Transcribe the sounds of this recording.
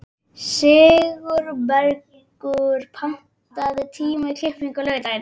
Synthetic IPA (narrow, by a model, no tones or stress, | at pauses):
sɪːɣʏɾbɛɾciŋkʏɾpʰam̥ | t̪aðɪt̪ʰiːmaikʰlɪhpiŋkʏlœːɣt̪ajɪn